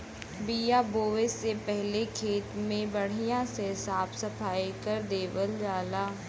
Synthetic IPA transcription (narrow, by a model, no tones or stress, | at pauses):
bijaboːʋesːepɛɦlekʰeːt̪mẽbɐɽ̤ijãsesaːbsɐpʰaːikəɾd̪eːʋəld͡ʒaːlaː